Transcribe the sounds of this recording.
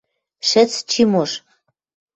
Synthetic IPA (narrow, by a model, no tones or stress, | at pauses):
ʃɘ̆t͡st͡ɕimoʃ